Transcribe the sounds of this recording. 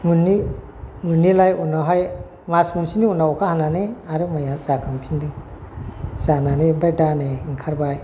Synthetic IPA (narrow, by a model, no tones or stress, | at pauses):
munːi | munːilajunaɦʌj | masmunsʰiniunaɔkʰahananeaɾumajat͡sakampʰind̪iŋ | sananebajdaneiŋkʰaɾbaj